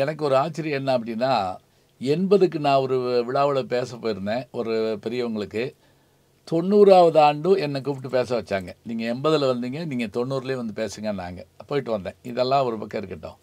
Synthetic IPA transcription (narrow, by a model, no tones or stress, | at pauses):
ɛnɐkːɯɔɾɯaːt͡ʃːɪɾɪjɛnːɐɐp̬ːɐɽɪnːaː | ɛnbɐðɯkːɯnãːɔɾɯʋɪɭaːʋɯɭɐpeːsɐpːoːjɪɾɯnd̪ẽːɔɾɯpɛɾɪjɐʋɐŋɡɐɭɯkːɯ | t̪ɔɳːuːɾaːʋɐðɯaːɳɖɯ̃ɛnːɐk̬ːuʋɪʈ̬ːɯpeːs̬ɐʋɐt͡ʃːaːŋɡɐniːŋɡɐɛmbɐðɪlʋɐnd̪iːŋɡɐniːŋɡɐt̪ɔɳːuːɾɪleːʋɐnd̪ɯpeːsɯŋɡɐnːa̰ːŋɡɐpːoːjɪʈːɯʋɐnd̪ẽːɪðɛlːãːɔɾɯpɐkːɐɪɾɯkːɪʈːõ̰ː